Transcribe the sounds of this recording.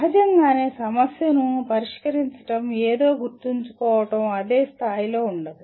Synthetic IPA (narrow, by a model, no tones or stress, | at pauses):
ɦɐd͡ʒɐŋɡaːneːsɐmɐsjɐnupɐɾiʂkɐɾiɲt͡ʃɐ̥ʈɐmeːd̪o̞ːɡuɾt̪iɲt͡ʃu̥kɔːʋɐʈɐmɐd̪eːst̪ʰaːjilo̞ːuɳɖɐd̪i